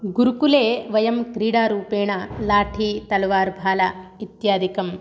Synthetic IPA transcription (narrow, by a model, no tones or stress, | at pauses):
ɡuɾukuleːʋɐjɐmkɾiːɽaːɾuːpeːɳɐlaːʈʰiːt̪ɐlʋaːɾbʱaːlɐʋit̪jaːd̪ikɐm